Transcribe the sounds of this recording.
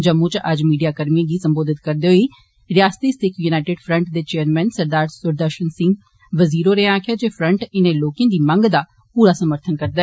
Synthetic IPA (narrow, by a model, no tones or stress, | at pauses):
d͡ʒəmːũːt͡ʃʔəd͡ʒmiːɖijaːkəɾmiãːɡiːsəmboːd̪ɪt̪kəɾd̪eɦoiː | ɾɪjaːst̪iːst̪ɪkʰjuːnaːɪʈɪːɖpʰɾə̃ɳʈd̪eːt͡ʃeːəɾmɛ̃ːnsəɾd̪aːɾsʊɾd̪əʃənsɪ̃ŋɡ | ʋəziːɾoːɾeãaːkʰɪjaːd͡ʒeːpʰɾə̃ɳʈɪnẽːloːkẽːd̪iːmə̃ŋɡd̪aː | puːɾaːsəməɾt̪ʰənkəɾd̪aːɛː